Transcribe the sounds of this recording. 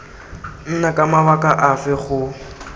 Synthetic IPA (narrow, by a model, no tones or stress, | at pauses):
n̩nakʼamawakʼaʔafɛχʊ